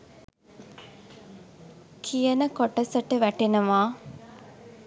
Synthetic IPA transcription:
kʰijənəkoʈəsəʈəʋæʈenəʋaː

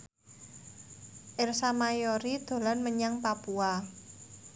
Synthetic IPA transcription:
ʔɪrsamajoɾid̪̥o̤lanməɲaŋpapua

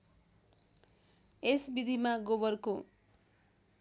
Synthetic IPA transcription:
esbid̪ʱimaɡobʌrko

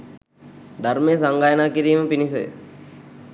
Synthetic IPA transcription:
d̪ʱaɾmejəsaŋɡaːjənaːkiɾiːməpinisəj̰

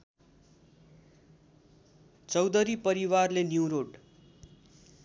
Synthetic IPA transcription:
t͡sʌwd̪ʌɾipʌɾiwarlenjuwɾoɖ

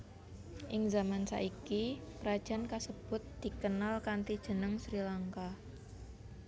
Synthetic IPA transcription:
ʔɪŋzamansa̰ʔikipəɾad̥ʒ̥a̤nkasəb̥ʊt̪̚d̪̥i̤kənalkant̪id̥ʒ̥ə̤nəŋsɾilaŋka

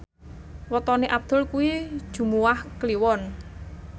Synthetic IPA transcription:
wət̪ɔneʔab̚d̪̥ʊ̤lkuwi̥ʒ̥ṳmuwahkliwɔn

